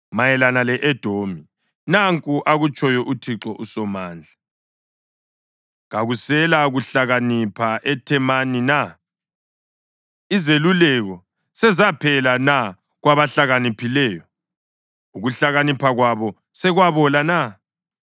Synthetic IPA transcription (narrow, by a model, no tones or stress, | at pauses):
majɛlanalɛʔɛd̥ʱomi | naŋkʼuʔaɣut͡ʃʼɔjɔʔutʰiǁɔʔusɔmaːnd͡ɮʱa | ɣaɣusɛlaɣuɬaɣanipʰaʔɛtʰɛmanina | izelulɛɣɔ | sɛzapʰɛlana | ɣwaβaɬaɣanipʰilɛːjɔ | uɣuɬaɣanipʰaɣwaβɔ | sɛɣwaβɔlana